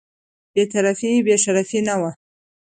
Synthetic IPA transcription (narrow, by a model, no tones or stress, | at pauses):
b̥et̪aɾafibeʃaɾafinawa